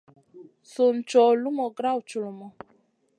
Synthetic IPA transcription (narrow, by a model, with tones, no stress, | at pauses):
su˨n̩˨t͡ʃɔ˨lu˦mɔ˨ɡɾa˦˨wt͡ʃu˨lu˨mɔ˨